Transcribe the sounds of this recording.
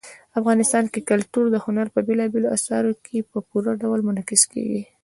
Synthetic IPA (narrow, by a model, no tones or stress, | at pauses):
afɣɑnɪst̪ɑnkekalt̪uɾd̪əhʊnaɾpəbelɑbeloa̰sɑɾokʰepəpuɾaɖawlmʊnɑkɪskḛɡḭ